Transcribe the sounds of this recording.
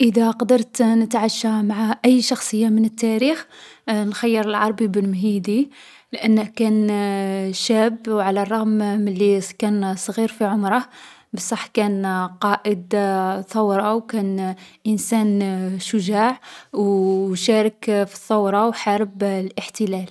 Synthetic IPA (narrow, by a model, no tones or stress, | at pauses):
ʔəd̪æqɑd̪əɾˤt̪nət̪ʕaʃːamaʕaʔəjːʃɑxsˤəjːamənət̪ːæɾixnxɑjːəɾˤəlʕɑɾˤbibəlmɦid̪i | lʔənːəhkæn | ʃæbwʕalærˤːɑɣmməlːikænsˤɣiɾfiʕʊmɾˤɑ | bəsˤːɑħːkænqɑʔəd̪θˤɑwɾˤɑwkænʔənsænʃʊʒaʕwʃæɾəkfi̥θˤːɑwɾˤɑwħaɾəblʔəħt̪əlæl